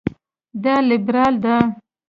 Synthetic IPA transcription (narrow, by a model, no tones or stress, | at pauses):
d̪ɑlɪbɾɑːld̪a